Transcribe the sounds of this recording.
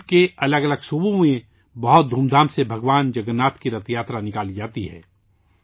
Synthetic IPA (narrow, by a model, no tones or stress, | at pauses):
keɐləɡɐləɡsubõmẽ | bɐɦʊt̪̚d̪ʱuːmd̪ʱaːmsebʱɐɡwaːnd͡ʒɐɡənːaːt̪kiɾɐt̪ʰjaːt̪ɾanɪkaːlid͡ʒaːt̪iɦɛ̰ː